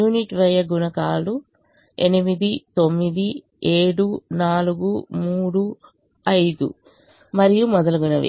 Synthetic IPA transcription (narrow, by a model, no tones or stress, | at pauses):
uːniʈʋɐjːɐɡunɐkaːlu | enimid̪it̪o̞mːid̪i | eːɽunaːluɡumuːɽu | ɐjd̪ṵ | mɐɾijumɔd̪ɐlɐɡunɐʋḭ